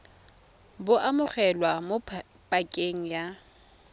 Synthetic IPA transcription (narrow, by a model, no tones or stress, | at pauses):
bʊʔamʊχɛlwamo | pʼakʼeŋ̩ja